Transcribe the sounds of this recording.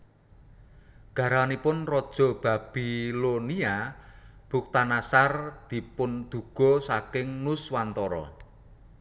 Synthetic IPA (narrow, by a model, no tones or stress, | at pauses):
ɡ̥a̤ɾanipʊnrɔd̥ʒ̥ɔ̤b̥a̤b̥ilonia | b̥uk̚t̪anasard̪̥i̤pʊnd̪̥ṳɡ̥ɔ̤sakɪŋnʊswant̪ɔɾɔ̰